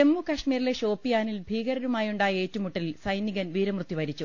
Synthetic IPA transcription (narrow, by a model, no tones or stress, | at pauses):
emːukɐʂmiːɾile̞ʂo̞ːpːijaːnilbʱiːɣɐɾɐɾumaːjuɳɖaːjɐe̞ːtːumuʈːɐlilsɐjniɣɐnʋiːɾɐmrɨt̪ːiʋɐɾit͡ɕːu